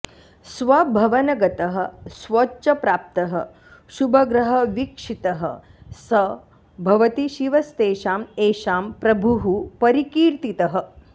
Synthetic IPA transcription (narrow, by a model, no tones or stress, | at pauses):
sʋɐbʱɐʋɐnɐɡɐt̪ɐɦɐ̆sʋoːt͡ʃɐpɾaːp̚t̪ɐɦɐ̰ | ʃubʱɐɡɾɐɦɐʋikʂit̪ɐɦɐ̰ | sɐ | bʱɐʋɐt̪iʃiʋɐst̪eːʃaːmeːʃaːmpɾɐbʱuɦupɐɾikiːɾt̪it̪ɐɦɐ̆